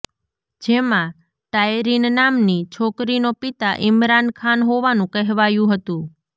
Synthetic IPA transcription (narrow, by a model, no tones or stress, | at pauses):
d͡ʒemã | ʈajɾinnamnit͡ʃʰokɾinopit̪aʔɪmɾankʰanɦoʋanũkəɦʋajũɦət̪ũ